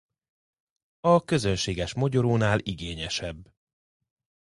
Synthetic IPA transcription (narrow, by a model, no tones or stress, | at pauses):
ɒkø̞zønʃeːɡɛʃmoɟoɾoːnaːliɡeːɲɛʃɛbː